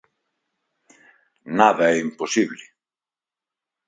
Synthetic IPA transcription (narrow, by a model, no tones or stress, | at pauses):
naðɐɛimposiβlɪ